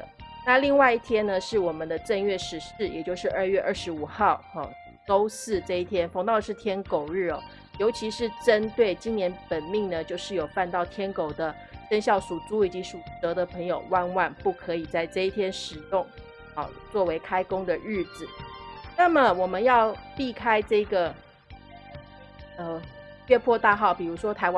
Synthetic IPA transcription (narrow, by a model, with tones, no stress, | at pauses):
ə˩na˥˧li˥˧ŋwa˥˧ɪi˥˩t̪ʰjɛ˥nə˨ʂɻ̩˥˩wɔ˨˩mə˦nd̪ə˧ʈ͡ʂə˥˧nɥɛ˥˩ʂɻ̩˨˧˥ʂɻ̩˥˩jɛ̰˨˩t͡ɕjo˥˧ʊʂɻ̩˥˧ə˞˥˧ɥɛ˥˧ʔə˞˥˩ʂɻ̩˧˥u˨˩xɑ˥˩ʊɑ̰˥˩ | ko˥ʊsɹ̩˥˧ʈ͡ʂɤ˥˧i˥˩t̪ʰjɛ˥nfɑ˧˥ŋt̪ɑ˥˧ə˧ʂɻ̩˥˩t̪ʰjɛ˥nko˨˩ʊɻɻ̩˥˩ɔ˨˩ | jo˧˥ʊt͡ɕʰi˧˥ʂɻ̩˥˩ʈ͡ʂə˥nt̪we˥˩ɪt͡ɕi˥njɛ˧˥npə˨˩nmi˥˩ŋnə˨t͡ɕjo˥˧ʊʂɻ̩˥˩jo˨˩ʊpa˥˧nt̪ɑ˥˩ʊt̪ʰjɛ˥nko˨˩ʊd̪ə˦ | ʂə˥ŋɕjɑ˥˩ʊsu˨˩t͡su˥ii˩t͡ɕi˧˥ʂu˨˩t̪ɤ˧˥d̪ə˨pʰɤ˧˥ŋjo˨˩ʊwa˥˧nwa˥˧npu˥˩kʰɤ˧˥i˨˩t͡sa˥˩˧ɪʈ͡ʂɤ˥˧i˥˩t̪ʰjɛ˥nʂɻ̩˨˩jʊ˥˩ŋ | ɑ̰˥˩t͡swɔ˥˩we˧˥ɪkʰa˥ɪkʊ˥ŋd̪ə˨ɻ̩˥˩t͡sɹ̩˨˩na˥˩mə˨wɔ˨˩mə˦njɑ˥˧ʊpi˥˧˩kʰa˥ɪʈ͡ʂɤ˥˩i˧˥ɡə˩ | ə˧ | jɛ˥˧pʰwɔ˥˧t̪a˥˧xɑ˥˩ʊpi˨˩ɻu˧˥ʂwɔ˥t̪ʰa˧˥ɪwa